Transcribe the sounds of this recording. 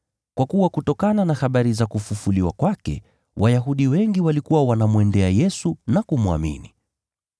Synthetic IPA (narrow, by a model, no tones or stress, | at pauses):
kwakuwakutɔkananahaɓaɾizakufufuliwa̰kwakɛ̰ | wʔajaɦuɗiwɛŋɡiwalikuwawanamwɛndɛajɛsunakumua̰mḭni